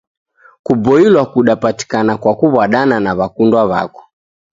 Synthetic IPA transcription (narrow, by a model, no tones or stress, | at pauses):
kubɔilwakuɗapati̥kanakwakuβaɗananaβakundwaβa̰kɔ̥